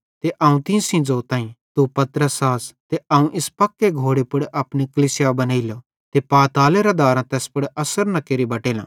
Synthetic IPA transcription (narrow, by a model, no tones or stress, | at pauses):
t̪eʔɐːũt̪ɪ̃sĩd͡zoːt̪ãːĩt̪upɐt̪ɾəsaːst̪eʔɐːũʔɪspɐkːeɡʱoːɽepʊɽeʔɐpnikɐlisɪjabɐnaːɪljo | t̪epaːt̪aːleɾɐd̪aːɾãt̪ɛːspʊɽeʔɐsəɾnɐkeːɾibɐʈeːlã̰ː